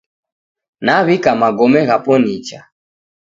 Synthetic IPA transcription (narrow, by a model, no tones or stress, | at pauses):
naβikamaɡɔmɛɣapɔnit͡ʃa